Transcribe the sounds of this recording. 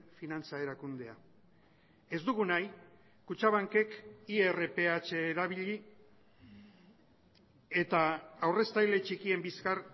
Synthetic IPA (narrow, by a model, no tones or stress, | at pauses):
finant͡sae̞ɾakund̪e̞a | e̞zd̪uɣ̞unaj | kut͡ʃaβaŋke̞kiere̞pe̞at͡ʃe̞ːɾaβiʎi | et̪aːwre̞st̪ajle̞t͡ʃikie̞mbiskar